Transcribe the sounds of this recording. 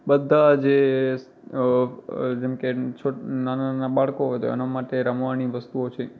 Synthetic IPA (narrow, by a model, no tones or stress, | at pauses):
ɓəd̪ʱːad͡ʒes | d͡ʒɛmket͡ʃʰonananaɓaɭkoɦojt̪o̰ɛ̰namaʈeɾəmʋañiʋəst̪uot͡ʃʰe